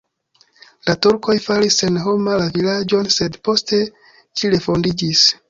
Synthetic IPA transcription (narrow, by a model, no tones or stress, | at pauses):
latuɾko̞jfaɾise̞nɦo̞malavilad͡ʒo̞nse̞dpo̞ste̞ | ʃiɾe̞fo̞ndid͡ʒis